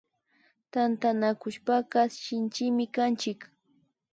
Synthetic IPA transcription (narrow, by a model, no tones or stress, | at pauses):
t̪ant̪anakʊʃpaɢaʃɪnt͡ʃɪmɪkant͡ʃɪk